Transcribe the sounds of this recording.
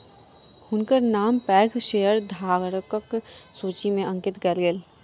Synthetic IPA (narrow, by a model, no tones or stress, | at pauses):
hʊnkəɾnaːmpɛːɡʰʃeːjəɾd̪ʱaːɡɾkəksuːt͡ʃimẽʔɐ̃ŋkɪt̪ɡɐlɡeːl